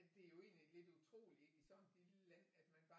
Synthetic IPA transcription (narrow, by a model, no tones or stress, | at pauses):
d̥e̝æjo̝e̝ːnlid̥le̝d̥ut͡sʰʁo̝̰ːlieɡ̥isɒ̽nd̥id̥əlæn̰æd̥mænb̥ɑ̈